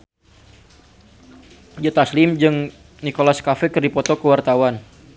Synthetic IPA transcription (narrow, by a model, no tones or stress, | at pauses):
d͡ʒɔt̪aslɪmd͡ʒɨŋ | nikolaskafɛkɨrdipɔt̪ɔkəwart̪awan